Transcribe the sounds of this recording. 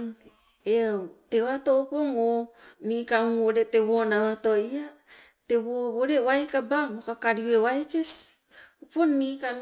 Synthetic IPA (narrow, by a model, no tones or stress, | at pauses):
eawtewato̞poŋonikauoɾe̞tewonawatoia | te̞βoβoɾewajkababokakaɾiwewajkesoponika